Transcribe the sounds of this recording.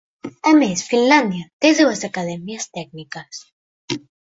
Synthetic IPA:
amesfinland̪jat̪eðuazakaðɛmjiast̪ɛɡ̚nikas

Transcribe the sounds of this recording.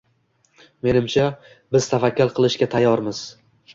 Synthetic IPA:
me̞nɪmt͡ʃʰa | bɪz̥t̪ʰafakʰʲːʊɾqʰɨlˠɪʃkʲat̪ʰajːɒɾmɪz̥

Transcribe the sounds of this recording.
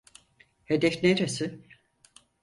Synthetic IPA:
hed̪ɛfneɾesɪ

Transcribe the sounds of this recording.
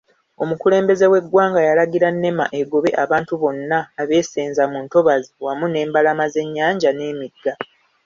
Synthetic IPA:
o̞mukule̞ːmbe̞ze̞we̞ɡwaːŋɡajalaɡiɾanːe̞ma̰ʔeɡo̞βe̞ʔaβaːntuβo̞nːaːβe̞ːseːnzamuːnto̞βaziwamune̞ːmbalamaze̞ɲːaːɲɟane̞ːmiɡːa

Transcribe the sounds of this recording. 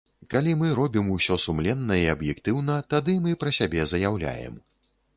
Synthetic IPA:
kalʲimɨɾɔbʲimusʲɔsumlʲɛnːɐiɐbjɛkt̪ɨwnɐt̪ad̪ɨmɨpɾɐsʲabʲɛzɐjawlʲa̰jɛ̰m

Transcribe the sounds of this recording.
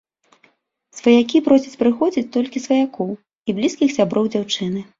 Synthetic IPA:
svɐjakʲipɾɔsʲɐt͡sʲpɾɨxɔd͡zʲit͡sʲt̪ɔlʲkʲisvɐjakɔw | iblʲiskʲixsʲabɾɔwd͡zʲawt͡ʂɨnɨ

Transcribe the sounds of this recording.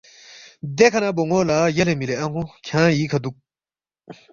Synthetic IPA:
d̪ekʰɐnaboŋoːlaːjɐlemileɐ̃ŋõkʰãːjiːkʰɐd̪uk̚

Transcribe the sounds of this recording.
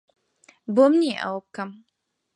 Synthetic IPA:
boːmniʔɐ̰wɐb̚kɐm

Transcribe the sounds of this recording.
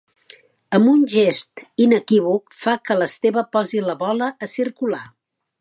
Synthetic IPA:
əmbunʲʒest̪inəkiβ̞ukfakələst̪eβəpɔziləβɔləːsiɾkula

